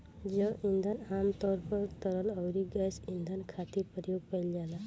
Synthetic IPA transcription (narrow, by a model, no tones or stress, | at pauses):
d͡ʒəwʔind̪ʱənamt̪ɔɾpɔɾt̪əɾələwɾiɡasind̪ʱənkʰat̪ipɾjoɡpajld͡ʒala